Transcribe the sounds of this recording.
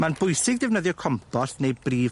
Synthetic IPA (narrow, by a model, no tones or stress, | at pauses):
manbʊjsɪɡ̚dɛvnəðjɔkʰɔmpʰɔɬnejbriːv